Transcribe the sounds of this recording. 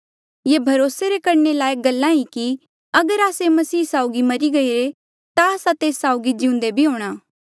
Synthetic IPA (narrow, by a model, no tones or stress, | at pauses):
jebʱɐɾoːseɾekɐɾnelaːeɡɐlːãɦiki | ɐɡəɾaːsemɐsiːsaːʊɡimɐɾiɡɐiɾe | t̪aːsat̪eːsːaːʊɡid͡ʒɪ̃ʊ̃nd̪ebʱiɦoːɽ̃aː